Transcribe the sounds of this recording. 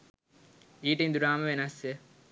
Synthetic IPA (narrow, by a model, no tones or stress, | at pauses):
iːʈɐĩnd̪uɾaːməʋenɐsjə